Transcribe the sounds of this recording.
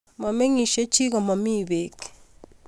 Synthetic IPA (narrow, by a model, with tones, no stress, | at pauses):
mɔ˨me˦ŋi˨ʃe˦t͡ʃi˦ɣɔ˨mɔ˨mi˦βe˨k